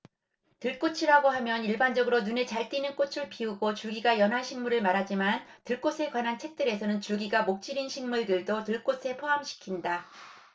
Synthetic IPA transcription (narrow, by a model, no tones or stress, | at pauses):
tɯɭk͈ot͡ɕʰiɾaɡoɦamjʌniɭband͡ʑʌɡɯɾonunet͡ɕaɭt͈inɯnk͈ot͡ɕʰɯɭpʰiuɡot͡ɕuɭɡiɡajʌnɦaɕʰiŋmuɾɯɭmaɾɦad͡ʑiman | tɯɭk͈osʰe̞kwanɦant͡ɕʰe̞k̚t͈ɯɾe̞sʰʌnɯnt͡ɕuɭɡiɡamok̚t͡ɕ͈iɾinɕʰiŋmuɭdɯɭdotɯɭk͈osʰe̞pʰoɦamɕʰi̥kʰinda